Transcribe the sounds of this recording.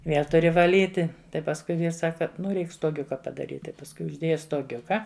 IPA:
ˈʋʲeːlˠ tʊˈrʲɪ ʋɐˈlʲiːtʲɪ ˈtɐɪ pɐsˈkʊɪ ˈʋʲiːrs ˈsɑːkɐ ˈnʊ ˈrʲɛɪk stoːˈɡʲʊkɐ pɐdɐˈrʲiːtʲ tɐɪ pɐsˈkʊɪ ʊʒʲˈdʲeːjɛ stoːˈɡʲʊkɐ

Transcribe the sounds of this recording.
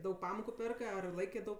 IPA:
ˈdɐʊk ˈpɑːmoːkʊ ˈpʲeːrkɜ ɐr ˈlˠɐɪkʲeː dɐʊk

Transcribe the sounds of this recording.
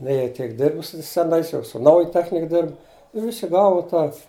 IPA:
nʲɛ jɛɪ ˈtʲiɛk ˈdʲɪrbʊs sʊ sʲɛˈnɐɪs jɛʊ sʊ ˈnɐʊjɛ ˈtʲæːxʲnʲɪk ˈdʲɪrbʊ ɪ ˈʋʲɪsʲɪ ˈɡɑːʋʊ ˈtɑː

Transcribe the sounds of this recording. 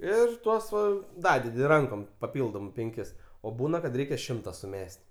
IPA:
ˈɪr ˈtuɔs ˈʋɐ ˈdɑːdʲɛdʲɪ ˈrɐŋkoːm pɐˈpʲɪlˠdoːm pʲɛŋʲˈkʲɪs oː ˈbuːnɐ kɐt ˈrʲɛɪkʲɛ ˈʃʲɪmtɐ sʊˈmʲɛsʲtʲ

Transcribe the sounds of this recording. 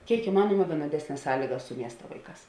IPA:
ˈkʲeːɪk ɪˈmɑːnuɔmɐ ʋʲiɛnoːˈdʲæːsʲnʲɛs ˈsɑːlʲiːɡɐs sʊ ˈmʲiɛstɐ ˈʋɐɪˌkɑːs

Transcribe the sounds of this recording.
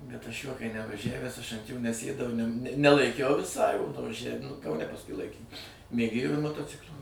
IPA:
bʲɛt ɐʃ juɔ kɐɪ nʲɛʋɐˈʒʲæʋʲæːs ɐʃ ɐnt joː nʲɛˈsʲeːdɐʊ ɪ nʲɛm nʲɛlˠɐɪˈkʲɛʊ ʋʲɪˈsɐɪ ʋɐˈʒʲæʋʲɪm nʊ kɐʊˈnʲɛ pɐsˈkʊɪ ˈlˠɐɪkʲeːm mʲeːˈɡʲeːjoː ɪr moːtoːˈt͡sʲɪklʲoː

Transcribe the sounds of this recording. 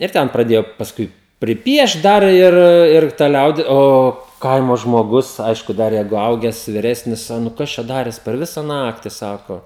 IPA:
ɪr ˈtʲɛn prɐˈdʲeːjoː pɐsˈkʊɪ pʲrʲɪˈpʲiɛʃt ˈdɐr ɪr ɪr tɐ ˈlʲɛʊdʲɪ ˈoː ˈkɐɪmoː ʒmoːˈɡʊs ˈɐɪʃkʊ ˈdɐr ˈjɛɪɡʊ ˈɐʊɡʲɛs ʋʲɪˈrʲæːsʲnʲɪs ɐ ˈnʊ ˈkɐs t͡ʃʲɛ ˈdɑːrʲeːs pʲɛr ˈʋʲɪsɐ ˈnɑːktʲɪ ˈsɑːkoː

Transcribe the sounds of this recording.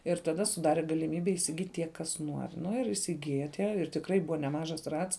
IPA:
ɪr tɐˈdɐ sʊˈdɑːrʲɛ ɡɐlʲɪˈmʲiːbʲɛ iːsʲɪˈɡʲiːtʲ tʲiɛ ˈkɐs ˈnuɔrʲ ˈnʊ ɪr iːsʲɪˈɡʲɪjɛ ˈtʲiɛ ɪr tʲɪkˈrɐɪ ˈbʊʋɐ nʲɛˈmɑːʒɐs ˈrɐts

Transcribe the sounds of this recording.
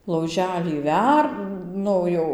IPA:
lˠɐʊˈʒʲæːlʲiː ˈʋʲɛr ˈnʊ jɛʊ

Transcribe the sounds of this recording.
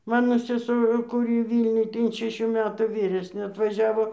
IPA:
ˈmɑːnoː sʲɛˈsʊ kʊˈrʲiː ˈʋʲiːlʲnʲʊj tɐɪ ɪn ʃʲɛˈʃʲuː ˈmʲæːtuː ˈʋʲiːrʲɛsʲnʲeː ɐtʋɐˈʒʲæːʋoː

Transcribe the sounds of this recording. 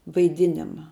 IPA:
ʋɐɪˈdʲɪnʲɪmɐ

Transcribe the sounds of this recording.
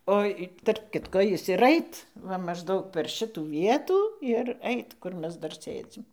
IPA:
ˈoː ɪ tɐrp ˈkʲɪtkoː ˈjɪs ɪr ˈɐɪt ˈʋɐ mɐʒˈdɐʊk pʲɛr ˈʃʲɪtuː ˈʋʲiɛtuː ɪr ˈɛɪt ˈkʊr ˈmʲɛs ˈdɐr ˈsʲeːd͡zʲɪm

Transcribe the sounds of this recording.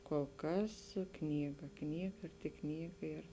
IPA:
koːlˠ ˈkɐs ˈknʲiːɡɐ ˈknʲiːɡɐ ɪr tʲɪk ˈknʲiːɡɐ ɪr

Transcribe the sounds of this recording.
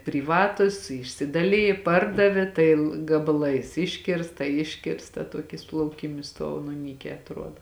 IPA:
pʲrʲiːˈʋɑːtʊs ɪʃʲsʲɪdɐˈlʲɪjeː ˈpɐrdɐʋʲeː tɐɪ lˠ ɡɐbɐˈlˠɐɪs ˈɪʃʲkʲɪrstɐ ˈɪʃʲkʲɪrstɐ ˈtuɔkʲɪs lˠɐʊˈkʲiːmʲɪs ˈstuɔw nʊ ˈnʲiːkʲɛː ɐtˈruɔdɐ

